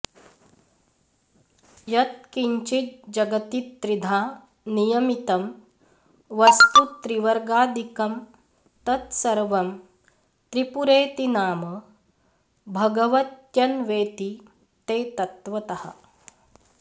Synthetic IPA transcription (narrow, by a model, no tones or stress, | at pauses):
jɐt̪̚kiɲt͡ʃit̪̚d͡ʒɐɡɐt̪it̪ːɾid̪ʱaː | nijɐmit̪ɐm | ʋɐst̪ut̪ɾiʋɐɾɡaːd̪ʱikɐm | t̪ɐt̪sɐɾʋɐm | t̪ɾipuɾeːt̪inaːmɐ | bʱɐɡɐʋɐt̪jɐnʋeːt̪i | t̪eːt̪ɐt̪ʋɐt̪ɐhɐ̰